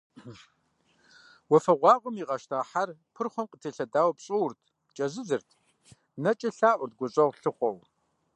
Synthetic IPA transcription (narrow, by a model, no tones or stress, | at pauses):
wɔfɐʁʷɑːʁʷʊmiːʁɐʃtʰaːħarpʰɨrχʷɔmqətʰiɬɐdaːwpɕʼɨwʊrtʰ | t͡ʃʼɐzɨzɨrtʰ | nɐt͡ʃʼɐɬaːʔʷʊrt̚ɡʷʊɕʼɐʁɬɨχʷɔw